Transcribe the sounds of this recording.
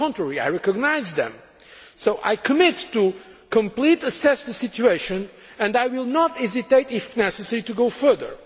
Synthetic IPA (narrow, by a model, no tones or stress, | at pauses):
ɔ̃ntɹɛɹia̰jɹɛkɔɡnaɪzðɛ̰̃m | soʊʔa̰jkʰɨmɪtːu | kə̃mplitəsɛsðəsitueɪʃɨ̃n | ɨ̃ndajwilˠnɔtɛzit̪eɪt̪ɪfnɛsəsɛɹit̪uɡoʊfɜ˞ðə̰˞